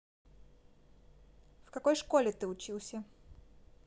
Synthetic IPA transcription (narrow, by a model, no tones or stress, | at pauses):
fkɐko̞jʂkolʲɪt̪ɨʊt͡ɕilˠsʲə